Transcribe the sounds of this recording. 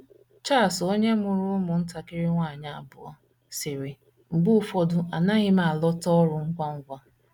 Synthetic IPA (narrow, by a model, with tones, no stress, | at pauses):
t͡ʃa˦˨so˦ɲe˦mʊ˨ɾʊ˦mʊ˨n̩˦ta˨kɪ˦ɾɪ˦ŋʷaː˦˨ɲa˦a˦˨bʊ̰˨ɔ̰˦ | sɪ˨ɾɪ˨ | ŋ͡m̩˨ɡ͡bʊ˦fɔ˦dʊ˨a˨na˦ɣɪ˦ma˦˨a˨lɔ˦tɔ˦ɾʊ˨ŋ̩˦ɡʷa˦ŋ̩˦ɡʷa˦